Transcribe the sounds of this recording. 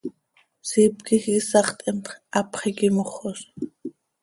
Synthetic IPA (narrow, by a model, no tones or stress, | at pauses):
siːpkʼixisɑχt̪ʼɛmt̪χʔapχikʼimoχɔs